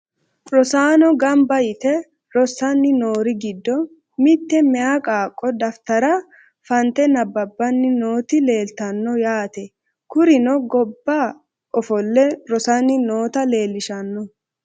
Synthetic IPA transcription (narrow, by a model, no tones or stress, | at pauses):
ɾɔsaːnɔɡɐmbɐjɪt̪ɛ | ɾɔsːɐnːɪnoːɾɪɡɪd̪ːɔ | mɪt̪ːɛmɛjakʼaːkʼːɔd̪ɐft̪ɐɾɐ | fɐnt̪ɛnɐbːɐbːɐnːɪnoːt̪ɪle̞ːlt̪ɐnːɔjaːt̪ɛ | kʊɾɪnɔɡɔbːaː | ʔɔfɔlːɛɾɔsɐnːɪnoːt̪ɐle̞ːlːɪʃɐnːɔ